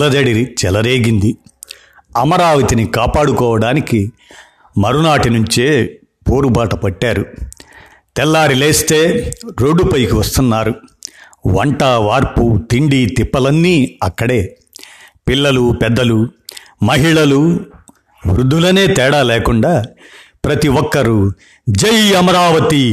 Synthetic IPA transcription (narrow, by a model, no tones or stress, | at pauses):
lɐd̪ɐɽiit͡ʃɛlɐɾeːɡind̪i | ɐmɐɾaːʋɐt̪inikaːpaːɽukɔːʋɐɽaːniki | mɐɾunaːʈinuɲt͡ʃe̞ː | poːɾubaːʈɐpɐʈːaːɾu | t̪ɛlːaːɾileːst̪eːɾoːɖːupɐjkiʋɐst̪unːaːɾu | ʋɐ̰ɳʈaʋaːɾput̪iɳɖit̪ipːɐlɐnːiːɐkːɐɽe̞ː | pilːɐlupɛd̪ːɐlu | mɐɦiɭɐlu | ʋɾud̪ːulɐne̞ːt̪ɛːɽaːlɛːkuɳɖaːpɾɐt̪iʋɔkːɐɾu | d͡ʒɐjɐmɐɾaːʋɐt̪i